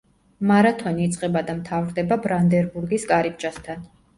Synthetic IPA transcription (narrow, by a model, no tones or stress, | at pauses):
maɾat̪ʰɔniːt̪sʼqʼɛbad̪amt̪ʰavɾd̪ɛbabɾand̪ɛɾbuɾɡiskʼaɾip̚t͡ʃʼast̪ʰan